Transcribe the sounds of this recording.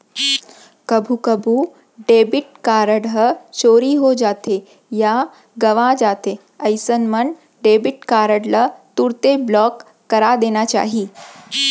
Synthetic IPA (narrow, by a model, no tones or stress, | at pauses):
kɐbʱukəbʱu | ɖeːbɪʈ̚kaːɾəɽɦət͡ʃoːɾiɦod͡ʒaːt̪e | ja | ɡəʋãd͡ʒaːt̪e | əɪsənmən | ɖeːbɪʈkaːɾəɽlət̪uɾt̪eblɔːkː | ɐɾad̪eːnat͡ʃa̰ːɦiː